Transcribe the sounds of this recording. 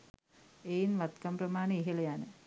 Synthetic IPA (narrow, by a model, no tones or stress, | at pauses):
ejinʋat̪kamprɐmaːnəiɦelejanə